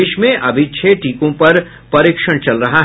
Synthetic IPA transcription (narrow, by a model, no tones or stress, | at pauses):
ɪʃmẽʔɐbʱɪt͡ʃʰeʈiːkõpɐɾ | pɐɾɪkʃəɽ̃t͡ʃɐlɾɐɦaɦ